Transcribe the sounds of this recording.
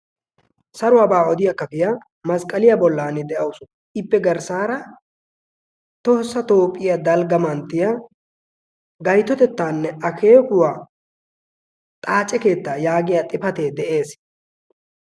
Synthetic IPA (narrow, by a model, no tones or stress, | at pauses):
sɐɾʊwaːbaːɔd̪ɪjɐkːɐpɪja | mɐskʼɐlɪjɐbɔlːaːnɪd̪ɛʔɐwʊsʊ̥ | ɪpːɛɡɐɾsaːɾɐ | t̪o̞ːsːɐt̪o̞ːpʼːɪjad̪ɐlɡɐmɐnt̪ːɪja | ɡɐjt̪ːɔt̪ɛt̪ːaːnːɛɐkʰe̞ːkʊwaː | t̪ʼaːt͡ʃʼːɛke̞ːt̪ːaːjaːɡɪjat̪ʼɪpɐt̪e̞ːd̪ɛʔe̞ːs